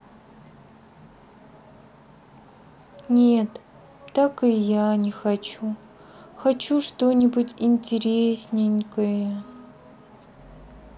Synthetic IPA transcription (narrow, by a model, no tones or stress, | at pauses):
nʲet̪ː | akɨjanʲɪxɐt͡ɕu | xɐt͡ɕuʂt̪onʲɪbutʲɪnʲtʲɪɾʲesʲnʲɪnʲkəjə